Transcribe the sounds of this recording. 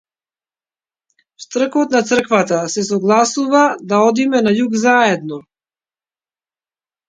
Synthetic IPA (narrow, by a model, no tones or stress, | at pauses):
st̪r̩kɔt̪nat̪sr̩kvat̪asɛsɔɡlˠasuvad̪aɔd̪imɛnajuɡzaɛd̪nɔ